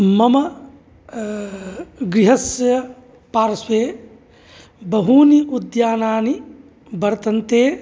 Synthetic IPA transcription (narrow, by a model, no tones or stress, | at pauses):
mɐmɐ | ɡɾiɦɐsjɐ | paːɾɐsweː | bɐɦuːniud̪jaːnaːni | bɐɾt̪ɐnt̪eː